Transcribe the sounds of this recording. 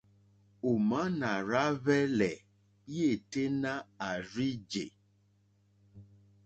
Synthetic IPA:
o˨ma˦na˨ɾa˦βɛ˦lɛ˨˦ | e˦˨te˦na˦a˨ɾi˦d͡ʒḛ˨

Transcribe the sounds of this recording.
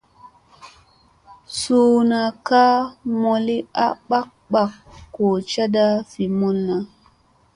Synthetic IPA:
suː˦na˨ka˦mo˨li˦a˦ɓa˦k̚ɓa˦kːo˨t͡ʃa˦da˦fi˨mu˦nːa˨

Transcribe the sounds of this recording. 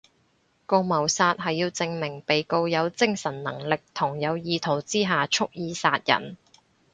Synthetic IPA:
ko˧wmɐ˨˩wsaː˧t̚ɦɐ˨jːiː˧wt͡sɪ˧ŋmɪ˨˩ŋpe˨jko˧wjɐ˨˧wt͡sɪ˥ŋsɐ˨˩nːɐ̰˨˩ŋlɪ˨k̚t̪ʰʊ˨˩ŋjɐ˨˧wjiː˧t̪ʰo˨˩wt͡siː˥ɦaː˨t͡ʃʰʊ˥k̚jiː˧saː˧t̚jɐ̰˨˩n

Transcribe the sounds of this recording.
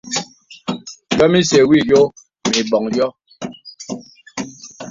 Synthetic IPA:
jɔ˦mi˦se˨wi˦˨jo˦ | mi˨bɔ˨ŋjɔ˦

